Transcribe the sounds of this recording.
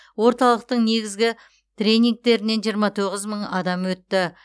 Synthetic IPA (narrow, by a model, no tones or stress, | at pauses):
wo̞ɾt̪ɑlˠəq̚t̪əɴne̞ɡʲɪzɡʲɪ | t̪rʲe̞nʲiŋk̚t̪e̞ɾɪne̞nʒijəɾmɑt̪ʰoʁəzməɴɑd̪ɑmwɵt̪ːɪ